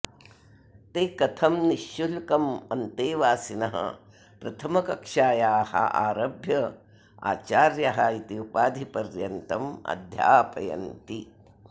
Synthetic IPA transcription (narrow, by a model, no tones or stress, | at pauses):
t̪eːkɐt̪ʰɐmniʃjulkɐmɐnt̪eːʋaːsinɐɦɐ̰ | pɾɐt̪ʰɐmɐkɐkʂaːjaːhɐ̰ʔa̰ːɾɐbʱjɐ | a̰ːt͡ʃaːɾjɐɦait̪iupaːd̪ʱipɐɾjɐnt̪ɐmɐ̰d̪ʱja̰ːpɐ̰jɐ̰nt̪i